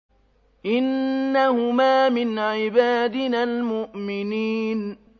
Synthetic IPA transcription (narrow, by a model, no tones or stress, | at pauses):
ʔɪnːahʊmaːmɪnʕɪbaːd̪ɪnalmʊʔmɪniːn